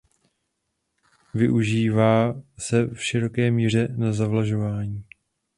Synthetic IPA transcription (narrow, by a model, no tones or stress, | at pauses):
vɪʔuʒiːvaːsɛfʃɪɾo̞kɛːmiːr̝ɛnazavlaʒo̞vaːɲiː